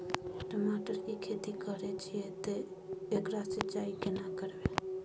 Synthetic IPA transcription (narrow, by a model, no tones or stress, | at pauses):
ʈəmaʈəɾkikʰet̪ikəɾɛt͡ʃʰijɛt̪e | ekɾasət͡ʃaikenakəɾbe